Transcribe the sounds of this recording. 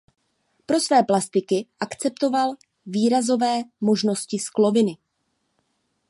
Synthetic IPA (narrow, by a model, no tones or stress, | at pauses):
pɾo̞svɛːplast̪ɪkɪʔakt͡sɛp̚t̪o̞val | viːɾazo̞vɛːmo̞ʒno̞scɪsklo̞vɪnɪ